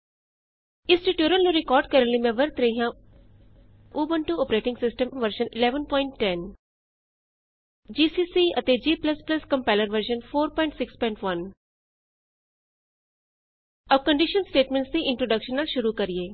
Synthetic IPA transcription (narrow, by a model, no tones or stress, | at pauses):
ɪsʈiʈjuːɾəlnũɾɪkɔːɾɖ̚kɐɾəllimɛ̃ʋəɾt̪ɾeɦã | oːbəɳʈuoːpɾeːʈɪ̃ŋɡsɪsʈə̃mʋəɾʃənɪlɛːʋənpɔːɪɳʈːɛn | d͡ʒiːsiːsiɐt̪ed͡ʒiːplɐsplɐskɐ̃mpɛːləɾʋəɾʃənfʰoːɾpɔ̃ːɪ̃ɳʈsɪkspɔ̃ːɪɳʈʋɐn | ɐb̚kə̃ɳɖɪʃənsʈeːʈmẽɳʈsd̪iʔɪ̃ɳʈɾoːɖəkʃənːaʃʊɾukɐɾieː